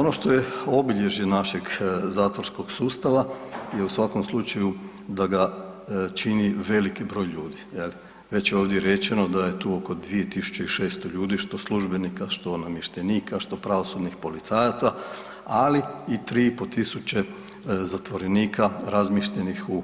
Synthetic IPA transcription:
ono̞ʃt̪o̞je̞o̞biʎe̞ʒjenaʃeɡzaːt̪ʋoɾsko̞ɡ̥suːst̪aʋajeusʋako̞mslˠut͡ʃaju | d̪aɡa | t͡ʃiniʋe̞likibɾo̞ːjʎuːd̪ijeli | ʋe̞t͡ɕjeo̞ːʋd̪jeɾe̞t͡ʃe̞nod̪aje̞t̪uːo̞ko̞d̪ʋije̞t̪isu̥t͡ʃeiʃe̞ːst̪oʎuːd̪iʃt̪o̞slˠuʒbe̞nikaʃt̪o̞namjeʃt̪eniːkaʃt̪o̞pɾaʋo̞sud̪nixpo̞lit̪saːjat̪sa | aliit̪ɾiːipo̞t̪isut͡ɕe̞zat̪ʋo̞ɾe̞niːkʰaɾazmiʃʎenixu

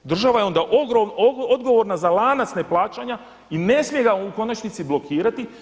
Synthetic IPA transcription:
d̪r̩ʒaʋajeo̞nd̪aʔoɡoood̪ɡo̞ʋo̞ɾnazalaːnat̪sneplˠaːt͡ʃaɲa | ine̞smijeɡauko̞nat͡ʃnit̪siblo̞kʰiːɾat̪i

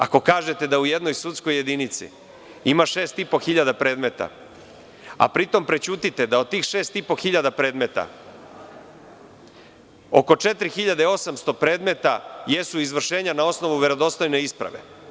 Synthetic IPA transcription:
a̰ko̞kaːʒe̞t̪e̞d̪aujed̪nojsut̪sko̞jːe̞d̪init̪sḭ | imaʃe̞ːst̪ipo̞xiʎad̪apɾe̞ːd̪me̞t̪a̰ | a̰pɾit̪o̞mpɾet͡ɕuːt̪it̪e̞d̪aod̪̚t̪iːxʃe̞ːst̪ipo̞xiʎad̪apɾe̞ːd̪me̞t̪a̰ | o̞̰ko̞t͡ʃe̞t̪ɾixiʎad̪eo̞samst̪o̞pɾe̞ːd̪met̪aje̞suizʋr̩ʃe̞ːɲanao̞sno̞ʋuʋe̞ɾod̪o̞st̪o̞jne̞ispɾa̰ʋe̞̰

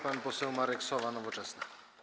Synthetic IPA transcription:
panpɔsɛwmaɾɛksɔvanɔvɔt͡ʂɛsnɘ

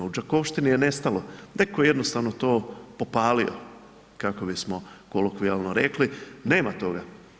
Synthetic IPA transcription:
ud͡ʒako̞ʋʃt̪inijene̞st̪alonekojeje̞d̪no̞st̪aʋno̞t̪oːpo̞paːlio̰ | kako̞bismo̞kolokʋialˠnoɾekline̞ːmat̪o̞ɡa

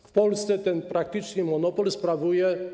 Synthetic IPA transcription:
fpɔlst̪sɛt̪ɛnpɾak̚t̪ɘt͡ʂɲɘmɔnɔpɔlspɾavujɛ

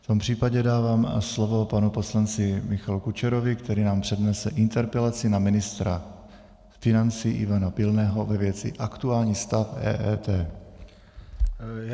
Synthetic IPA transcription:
ft̪o̞mpr̝̥iːpaɟɛdaːvaːmslo̞vo̞panupo̞slant͡sɪmɪxalukut͡ʃɛɾovɪkt̪ɛɾiːnaːmpr̝̥ɛdnɛsɛʔɪnt̪ɛɾpɛlat͡sɪnamɪnɪst̪ɾa | fɪnant͡siːʔɪ̰vanapɪlnɛːɦo̞vɛvjɛt͡sɪ̰ʔakt̪uaːlɲiːst̪afɛ̰ːʔɛ̰ːt̪ɛː

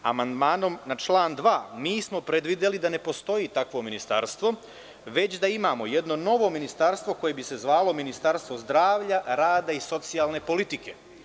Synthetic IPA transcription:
a̰mand̪maːno̞mnat͡ʃlaːnd̪ʋaːmiːsmo̞pɾed̪ʋid̪elid̪ane̞po̞st̪o̞jiːt̪akʋo̞minist̪a̰ɾst̪ʋo̞ | ʋe̞t͡ɕd̪aimaːmo̞jed̪no̞no̞ʋo̞minist̪aɾst̪ʋo̞ko̞je̞bise̞zʋaːlo̞minist̪aɾst̪ʋo̞zd̪ɾaːʋʎaɾaːd̪aiso̞t̪sijalˠne̞po̞lit̪ike̞

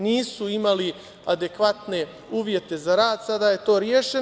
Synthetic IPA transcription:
niːsuimali | ad̪e̞kʋat̪ne̞ | uːʋje̞t̪e̞zaɾaːd̪sad̪aːje̞t̪o̞ːɾjeːʃe

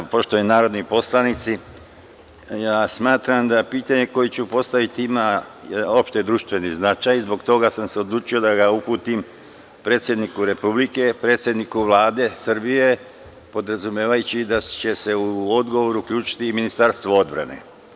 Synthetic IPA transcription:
po̞ʃt̪oenaːɾo̞d̪nipo̞slˠanit̪si | jaːsmaːt̪ɾamd̪apiːt̪aɲe̞ko̞jet͡ɕupo̞st̪aʋit̪iimajo̞pʃt̪ed̪ɾuʃt̪ʋe̞niznat͡ʃajizbo̞kt̪o̞ɡasamseo̞d̪lˠuːt͡ʃio̞d̪aɡaupuːt̪im | pɾe̞ːt̪sʲje̞d̪nikuɾe̞publike̞pɾe̞t̪sʲje̞d̪nikuʋlaːd̪e̞srbije | po̞d̪ɾazumjeːʋajut͡ɕid̪at͡ɕe̞se̞uod̪ɡo̞ʋo̞ɾuukʎʲuːt͡ʃi̥t̪iminist̪aɾst̪ʋoo̞d̪bɾa̰ne̞̰

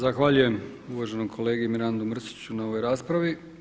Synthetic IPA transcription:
zaxʋaʎuje̞m | uʋaʒe̞nomkʰo̞le̞ːɡiimiɾand̪umr̩si̥t͡ɕunao̞ʋo̞jɾaːspɾaʋi

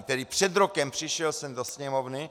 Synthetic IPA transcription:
t̪ɛd̪ipr̝̥ɛd̪ɾokɛmpr̥iʃjɛlsɛmd̪osɲɛmɔvni

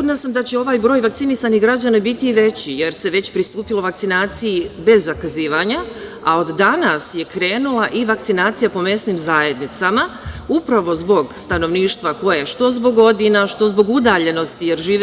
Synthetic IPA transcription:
od̪nasamd̪at͡ɕe̞o̞ʋaːjbɾo̞ːjʋak̚t̪sinisaniɡɾad͡ʑanabit̪iːʋe̞t͡ɕije̞ɾse̞ʋe̞t͡ɕpɾist̪uːpilˠo̞ʋakt̪sinaːt̪sijibe̞zːakaziːʋaɲa | ao̞d̪ːanasje̞kɾe̞ːnulˠaʔiʋakt̪sinaːt̪sijapo̞me̞snimzaje̞d̪nit̪samaupɾaʋo̞zbo̞ɡst̪ano̞ʋniːʃt̪ʋako̞jeʃt̪o̞zbo̞ɡo̞d̪inaʃt̪o̞zbo̞ɡud̪aːʎe̞no̞st̪ijeɾʒiː

